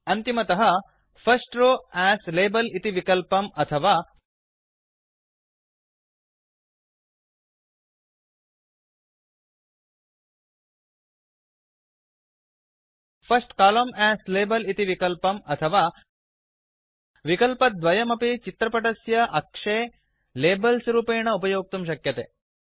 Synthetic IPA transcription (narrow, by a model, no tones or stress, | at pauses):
ɐnt̪imɐt̪ɐɦɐ | fʰɐsʈɾoːæːsleːbɐlit̪iʋikɐlpɐmɐt̪ʰɐʋaː | pʰɐsʈkaːlɐmæːsleːbɐlit̪iʋikɐlpɐmɐt̪ʰɐʋaː | ʋikɐlpɐd̪ʋɐjɐmɐpit͡ʃit̪ɾɐpɐʈɐsjɐʔɐkʂeː | leːbɐlsɾuːpeːɳɐupɐjoːk̚t̪umʃ̬ɐkjɐt̪ḛː